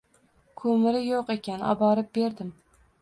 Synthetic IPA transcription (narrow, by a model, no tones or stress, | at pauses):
kʰomɪɾɪjoqe̞kʲanɒ̰bɒɾɪp̚be̞ɾd̪ɪm